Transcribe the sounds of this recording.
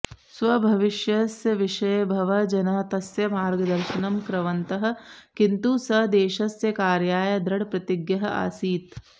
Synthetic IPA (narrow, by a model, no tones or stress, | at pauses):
sʋɐbʱɐʋɪʃjɐsjɐʋɪʃɐjɐbʱɐʋɐd͡ʒɐnɐt̪ɐsjɐmaːɾɡɐd̪ɐɾʃɐnɐmkɾɐʋɐnt̪ɐɦɐ̆kint̪usɐd̪eːʃɐsjɐkaːɾjaːjɐd̪ɾɐɽpɾɐt̪iɡjɐɦɐʔa̰ːsiːt̪